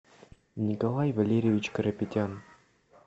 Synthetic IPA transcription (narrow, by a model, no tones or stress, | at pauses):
nʲikɐlˠajvɐlʲeɾʲevʲit͡ɕkəɾɐpʲɪtʲan